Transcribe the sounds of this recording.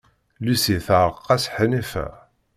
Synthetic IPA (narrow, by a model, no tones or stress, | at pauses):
lusiθɾˤəqːɑsħənæfæ̰